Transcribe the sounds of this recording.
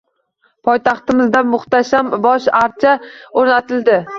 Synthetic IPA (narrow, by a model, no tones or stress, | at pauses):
pʰɒjt̪ʰɑχt̪ɪmɪzd̪amʊχt̪aʃambɒʃaɾt͡ʃʰaoɾnat̪ʰɪld̪ɪ